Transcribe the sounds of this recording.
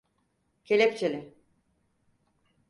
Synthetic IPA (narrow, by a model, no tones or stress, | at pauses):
cʰelʲept͡ʃʰelʲɪ